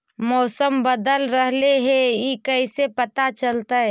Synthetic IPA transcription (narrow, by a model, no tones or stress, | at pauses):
mɔːsəmbəd̪əlɾəɦleɦɛikəɪsepɐt̪at͡ʃəlt̪aɦɛ